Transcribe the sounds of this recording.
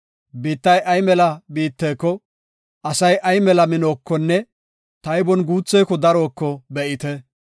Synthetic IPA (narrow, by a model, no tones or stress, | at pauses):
biːt̪ːɐjʔɐjmɛlɐbiːt̪ːɛːkːɔ | ʔɐsɐjʔɐjmɛlɐmɪnoːkːɔnːɛ | t̪ɐjbɔnɡuːt͡sːɛjkɔd̪ɐɾo̞ːkːɔbɛʔɪt̪ɛ